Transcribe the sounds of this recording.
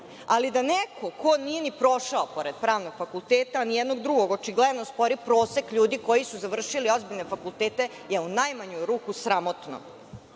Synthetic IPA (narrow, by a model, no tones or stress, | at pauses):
alid̪anekʰo̞kʰonije̞nipɾo̞ʃaopo̞ɾed̪̥̚pɾaːʋno̞ɡ̥fakulˠt̪eːt̪aːnijɛd̪no̞ɡd̪ɾuɡo̞ɡot͡ʃiɡled̪nospo̞ɾipɾo̞ːsekʎuːd̪iko̞jisuzaʋr̩ʃilio̞zbiʎnefakulˠt̪eːt̪e̞ | jeunajmaɲuɾuːkusɾamo̞t̪no̰